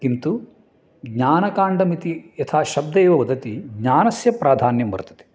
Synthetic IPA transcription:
kint̪u | ɡɲaːnɐkaːɳɖɐmit̪iɐt̪ʰaːʃɐb̚d̪ɐjʋɐʋɐd̪ɐt̪iɡɲaːnɐsjɐpɾaːd̪ʱaːnjɐmʋɐ̰ɾt̪ɐ̥t̪e̥

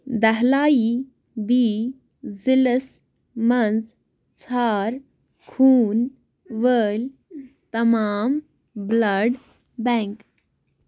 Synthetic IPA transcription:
d̪əɦlaːi | bi | d͡ziləs | mənd͡z | t͡sʰaːɾ | kʰuːn | ʋəl | t̪ɐmaːm | bləɖ | bɛ̃ŋk

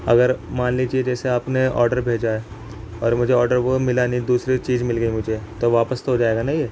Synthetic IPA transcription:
ɐ̰ɡəɾmaːnlit͡ʃied͡ʒɛːseaːpneɔ̰ːɾɖəɾbʱeːd͡ʒae | ɔːɾmʊd͡ʒʱeɔːɾɖəɾʋomɪlaːnid̪uːsɾit͡ʃiːzmɪlɡəimʊd͡ʒʱet̪oʋaːpəst̪oɦod͡ʒaːeːɡanaɦĩje

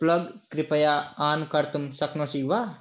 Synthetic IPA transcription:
plɐɡkɾipɐjaːaːnkɐɾt̪umsɐknosiʋaː

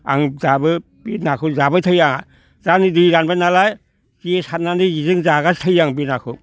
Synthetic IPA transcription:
a̰ŋzabɯ | b̥inakʰɯzabɯtʰəjaŋa | zanidiɾanbanalaj | kiesat̚naniizɯŋzaɡastʰəjːaŋbinakʰɯ

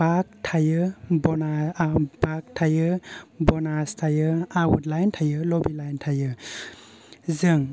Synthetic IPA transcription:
bak̚tʰajɯbɔnabak̚tʰajɯbɔnastʰajɯawutlajntʰajɯlɔbilajntʰajɯ | zɯŋ

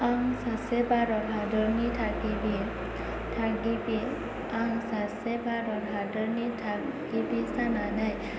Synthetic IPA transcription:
aŋsasebaɾɔɾɦadəɾnitʰakibi | tʰaɡibi | aŋsasebaɾɔɾɦadəɾnitʰaɡibisananaj

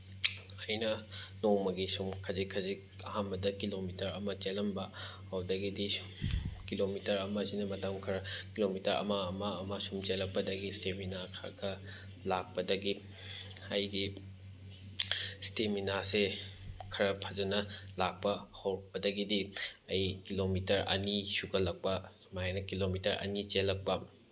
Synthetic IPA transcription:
ɐjnɐnoŋmɐɡisumkʰɐzikʰːɐzik̚ɐ̰hambɐdɐkilomitɐɾɐmɐt͡ʃelɐmbɐ | hɐwdɐɡidi | kilomitɐɾɐmɐzinɐmɐtɐmkʰɐɾɐkilomitɐɾʔɐ̰maːmɐːmasumt͡ʃelɐk̚pɐdɐɡisteminakʰa̰ɾɡɐ | lak̚pɐdɐɡi | ɐjɡi | steminasekʰɐɾɐpʰazɐnɐlak̚pɐhɐwɾɐk̚pɐdɐɡidiɐjkilomitɐɾʔɐ̰nisuɡɐlɐk̚pɐ | majnɐkilomitɐɾɐ̰nit͡ʃelɐk̚pɐ

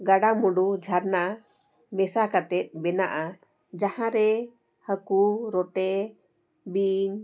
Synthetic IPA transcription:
ɡaɖamuɖud͡ʒʱaɾna | mɛsakat̪ɛt̪̚ˀbɛnaʔa | d͡ʒahãɾɛ | həkuɾɔʈɛ | biɲ

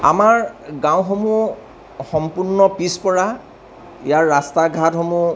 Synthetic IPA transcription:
a̰maɹɡãw̃xomu | xɔmpuɹnːɔpispɔɹa | ijaɹːastaɡʱatɦomu

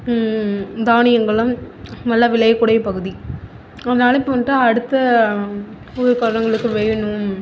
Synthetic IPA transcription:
d̪aːɳɪjɐŋɡɐɭɐmnɐlːaʋɪlɐjɐkːʊɽɐjɐpɐɣɯði | ɐðɐnɐaːnɐɪpːɯʋɐnʈːaːɐɽɯt̪ːɐ | ɔɾɯkɐɾɳɐŋɡɐɭɯkːɯʋɛjɐnɯm

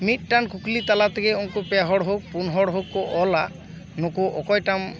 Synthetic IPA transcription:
mit̪̚ˀʈankuklit̪alat̪ʰɛkeuŋkupeaɦɔɽɦok̚punɦɔɽɦokːɔʔɔla | nokoʔɔkɔjʈam

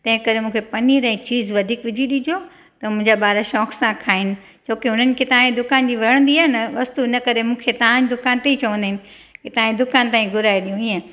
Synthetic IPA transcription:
t̪ɐ̃ɦɪ̃kɐɾemũːkʰepɐniɾ̃ĩt͡ɕiːzʋɐd̪ʱiːkʋɪd͡ʑʱiɗid͡ʑʱo | t̪ɐmʊ̃ɦɪ̃ɲd͡ʑaɓaːɾaʃɔːksãkʰaːɦɪnɪ̆ | t͡ɕʰoːkiɦʊn̤ənɪ̆ket̪aãẽd̪ʊkaːnd͡ʑiːʋɐɾəɽ̃nd̪iaːnɐʋɐst̪uɪnəkɐɾemũːkʰet̪ɐɦãd͡ʑd̪ʊkaːnt̪eit͡ɕɐʋə̃nd̪ɪɦɪnɪ̆ | kɪt̪ɐãːɲd̪ʊkaːnt̪aːĩɡʱʊɾaːeɗijũiːẽ

